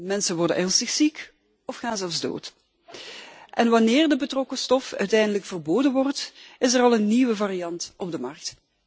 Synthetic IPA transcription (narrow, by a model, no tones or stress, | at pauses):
mɛnsəʋɔrdə̰nʔɛʁnstəxsik | ɔfxaːnzɛlˠfzdo̰ːt | ʔɛnʋɑnɪːrdəbətrɔkəstɔfœ̰ɥtɛjndələkfərboːdənʋɔrtɪsərɑlˠənːiwəvarijɑntʔɔb̚dəmɑrk̚t